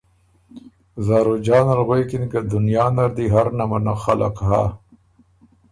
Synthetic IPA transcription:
zaːɾod͡ʒɑːnalɣwekinkad̪ʊnjɑːnaɾd̪iɦaɾnamanaxala̰qɦa̰

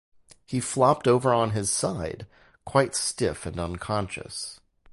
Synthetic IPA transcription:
hiflɑp̚toʊvə˞ə̃nɪz̥saɪd̥̚ | kʰw̥aɪtstɪfɨ̃nə̃nkʰɑ̃nʃɨ̰s

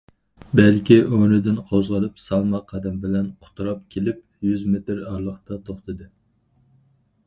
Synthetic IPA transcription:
bɛlkʲiʔønɪd̪ɪnqʰozʁɑlˠɨpsɑlˠmɑqʰːɑd̪ɛmbɪlɛnqʰʊ̥t̪ʰuɾɑp̚kʲʰelɪp | jyzmet̪ɾɑɾlˠəχt̪ɑt̪ʰoχt̪ɨd̪ɨ

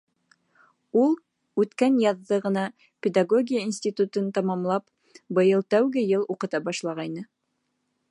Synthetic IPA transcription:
ulˠ | ʉt̪kænjɑðːɤʁɤ̆nɑ | pʲed̪aɡoɡʲijəinsʲt̪ʲit̪ut̪ɤnt̪ɑmɑmlˠɑp | bɤ̆jɤlˠt̪æwɡɘjɤlˠuqɤ̆t̪ɑbɑʃlˠɑʁɑjnɤ

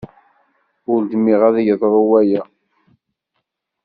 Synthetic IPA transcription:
ʊld̪miʁæðʝəðˤɾˤuwæjæ

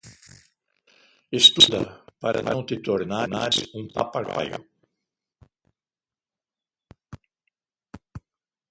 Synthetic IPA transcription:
est̪ud̪ɐ̰paɾɐ̰lãw̃t̪ɪt̪oɾnanaɾũŋpapaɡa̰jɐ̰

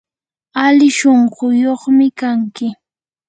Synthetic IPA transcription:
alɪʃoɴɢʊjoχmɪkaŋkɪ

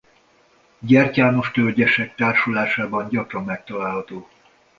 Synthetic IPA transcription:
ɟɛrcaːno̞ʃt̪ølɟɛʃɛk̚t̪aːrʃulaːʃaːbɒɲɟɒkɾɒmːɛk̚t̪ɒlaːlɦɒt̪oː

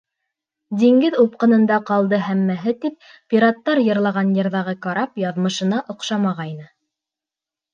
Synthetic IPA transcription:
d̪iŋɡɘðup̚qɤ̆nɤ̆nd̪ɑqɑlˠd̪ɤɦæmːæɦɘt̪ip̚ːʲiɾat̪ːɑɾjɤ̆ɾlˠɑʁɑnjɤ̆ɾðɑʁɤkɑɾɑpjɑðmɤ̆ʃɤ̆nɑʔŏqʃɑmɑʁɑjnɤ

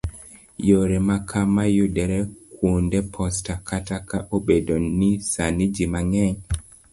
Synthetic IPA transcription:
joɾɛmakʰamajudɛɾɛkwundɛpʰɔstakʰatakaʔobedonisanid͡ʒimaŋɛɲ

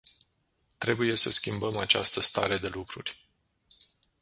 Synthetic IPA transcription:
t̪ɾe̞buje̞səskʲimbəmat͡ʃa̰st̪əst̪a̰ɾe̞d̪e̞lukɾurʲ

